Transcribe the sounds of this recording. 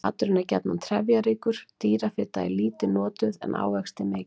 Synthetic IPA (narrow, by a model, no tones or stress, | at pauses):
a̰t̪ʏɾɪnːacɛ̰t̪nant̪ʰɾɛvjaɾiːkʏɾ̥t̪iːɾafɪɾt̪a̰ːjliːt̪ɪnɔːt̪ʏðɛ̰nʔa̰ːwvɛxst̪ɪme̥ː